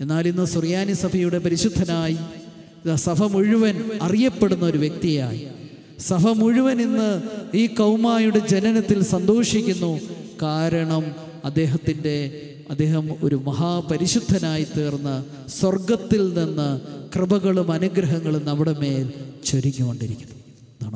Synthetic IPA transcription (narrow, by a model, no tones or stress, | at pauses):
e̞nːaːlinːɨsurjaːnisɐbʱɐjuɽe̞pɐɾiɕud̪ʱːɐnaːji | sɐbʱɐmuɻuʋɐnɐrijɐpːe̞ɽunːɐo̞ɾuʋjek̚t̪ija̰ːji | sɐbʱɐmuɻuʋɐninːɨiːkɐwmaːjuɽe̞d͡ʑe̞nɐnɐt̪ːilsɐnd̪o̞ːʂikʲːunːukaːɾɐɳɐm | ɐd̪ːe̞ːɦɐt̪ːinde̞ | ɐd̪ːe̞ːɦɐmo̞ɾumɐɦaːpɐɾiɕud̪ʱːɐnaːjit̪eːrnːɐ | swɐrɡɐt̪ːilninːɨkrɨbɐɣɐɭumɐnuɡɾɐɦɐŋːɐɭumnɐmːuɽe̞me̞ːlt͡ɕoɾiŋːuɣoɳɖiɾikʲːu̥nːu | naːɳ